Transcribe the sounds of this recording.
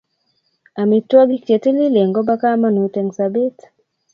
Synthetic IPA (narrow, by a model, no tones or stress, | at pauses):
amituaɡikt͡ʃɛtililɛŋɡɔbakamanutɛŋsabet